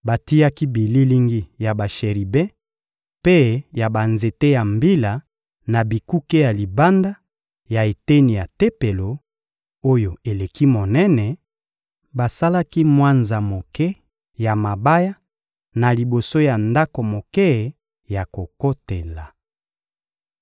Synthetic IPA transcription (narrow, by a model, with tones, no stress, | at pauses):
ba˨ti˦ja˦ki˦bi˨li˦li˦ŋɡi˦ja˨ba˨ʃe˨ʁi˨bɛ˦ | pe˦ja˨ba˨nze˨te˦ja˨mbi˦la˨ | na˨bi˨ku˦ke˦ja˨li˨ba˦nda˦ | ja˨e˨te˦ni˨ja˨te˦pe˨lo˨ | o˦jo˨e˨le˨ki˦mo˨nɛ˦nɛ˨ | ba˨sa˦la˦ki˦mwa˦nza˨mo˨kɛ˦ | ja˨ma˨ba˦ja˦ | na˨li˨bo˨so˦ja˨nda˦ko˨mo˨kɛ˦˨ | ja˨ko˨ko˦te˨la˨